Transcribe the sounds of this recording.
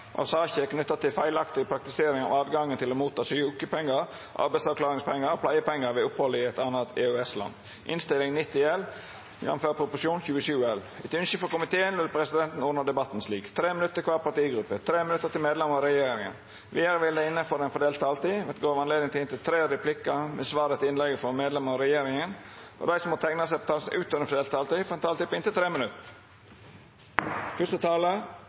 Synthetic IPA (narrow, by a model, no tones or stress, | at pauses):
ʔɑ̰sɑːçəɛknʉt̪ːɑt̪ʰɪlfæɪlɑkt̪ɪɡəpʰɾɑk̚t̪ɪseːɾɪŋɑ̰ʋɑːʋɡɑŋːənt̪ʰɪlomuːt̪ʰːɑːsyuːkəpʰɛŋːəɾ | ʔɑ̰ɾbæɪsɑʋklɑːɾɪŋspʰɛŋːəɾɔpʰlæɪəpɛŋːəɾʋɛʊphɔlːəɪɛt̪ɑnət̪ʰeøɛslɑ̰n | ʔɪ̰nst̪ɪlɪŋnɪt̪ːɪɛl | jɛ̰nmføːɾpʰɾʊpʊʂɪuːnçʉːəʃʉːɛl | ɛt̪ʉnʃəfɔkʊmɪt̪ʰeːənʋɪlpʰɾɛsɪd̪ɛnt̪n̩ʊnəɖ̪ɛbɑt̪ːn̩sliːkt̪ʰɾeːmɪnʉt̪ːəɾkʰʋɑːɾpʰɑʈ̪iːɡɾʉpːət̪ʰɾeːmɪnʉt̪ːət̪ɪlmeːd̪lɛmɔɾɛjeːɾɪɾɪŋə̰n | ʋɪæɾəʋɪld̪ɛɪnːəfɔɾɛɪnfɔɖ̪eːlt̪ɑːlt̪iːʋɛt̪ɡoːʋɑnleːd̪ɪŋt̪ɪɪnt̪ʰɪlt̪ʰɾeːəɾɪpʰlɪkːɑmɛsʋɑːɾət̪ɪnlɛɡəfɔɾmeːd̪lɛmɑɔɾɛjeːɾɪŋənʔɔ̰d̪æɪsɔmːɔt̪ʰɛŋnɑsæɪpʰɔt̪ʰɑːlsn̩ʔʉːt̪ɔɛənfɔdeːlt̪ːɑːlt̪iːfɔɾɛnt̪ʰɑːlt̪ipɔɪnt̪ɪt̪ʰɾeːmənʉt̪ə | fʏst̪ət̪ʰɑːlə